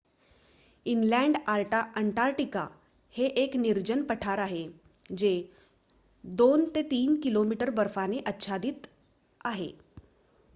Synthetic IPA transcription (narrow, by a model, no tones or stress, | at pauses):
inlɛ̃ɳɖaɾʈaʔəɳʈaɾʈika̰ | heʔekniɾd͡ʑənpəʈʰaɾaɦe | d͡ʑe | d̪ont̪et̪iːnkilomiʈəɾbəɾfaneʔətːɕʰad̪it̪ | aɦḛ